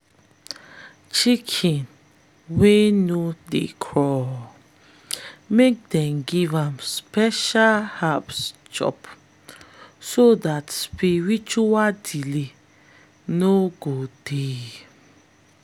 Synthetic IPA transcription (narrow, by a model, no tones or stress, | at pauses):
t͡ʃikʰĩn | wenudḛkʰɹɔ | mek̚dɛ̃mɡivãmspɛʃalhapst͡ʃɔ̰p | sodatspiɹit͡ʃuwadile | noɡod̥e